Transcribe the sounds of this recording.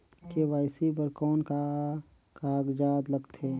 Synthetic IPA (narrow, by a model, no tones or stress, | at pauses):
keʋaːɪsibəɾkɔːnka | kaːɡd͡ʒaːd̪ləɡt̪ʰeː